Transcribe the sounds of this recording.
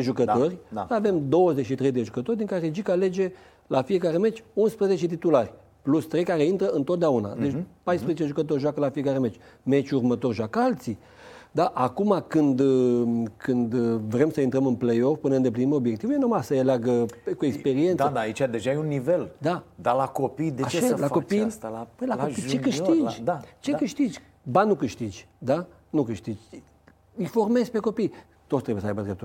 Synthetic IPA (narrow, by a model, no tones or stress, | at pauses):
eʒukət̪o̞rʲaave̞md̪o̞wəzeʃit̪ɾe̞jd̪e̞ʒukət̪o̞rʲd̪iŋkaɾed͡ʒikale̞d͡ʒe̞ | lafije̞kaɾe̞me̞t͡ʃʲunspɾəze̞t͡ʃe̞t̪̬it̪ularʲ | plust̪ɾe̞jkaɾe̞int̪ɾəɨnt̪ot̪̚d̪eauna̰d̪et͡ʃpajspɾezet͡ʃe̞ʒukət̪̬o̞rʲʒwakəlafie̞kaɾe̞me̞t͡ʃʲme̞t͡ʃʲurmət̪o̞rʲʒakəalt̪si | d̪aʔakumakɨnd̪ | kʰɨnd̪vɾe̞msəint̪ɾəmɨnplejo̞fpɨnəɨnd̪e̞plinimeobjekt̪ivujenumasəjealeaɡəkuekspe̞ɾiend̪əd̪ait͡ʃad̪eʒajunːiveld̪ad̪alakopid̪eat͡ʃlakopillaopit͡ʃekɨʃt̪id͡ʒd̪at͡ʃekɨʃt̪id͡ʒʲ | banukɨʃt̪id͡ʒʲ | d̪a | nukɨʃt̪id͡ʒʲ | ɨjfo̞rme̞zpe̞ko̞pij | t̪ot̪t̪ɾebjesəajbəd̪ɾe̞pt̪u